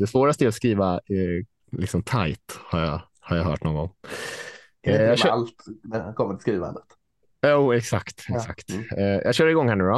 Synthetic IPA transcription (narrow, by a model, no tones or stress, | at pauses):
d̪ɛsvoːɾast̪əɛɾɔskɾiːva | lɪ̰ksɔmt̪ʰajt̪haɾja | haɾjaɦœ̰ːʈnɔːŋɡɔŋ | jɑɡalt̪d̪kʰɔmːənɪ̥skɾiːva̰nd̪ət̪ | uːɛksa̰kt̪ɛksa̰kt̪ːjʔɑ̰ɡɕœːɖɪɡɔŋhænəɾɔ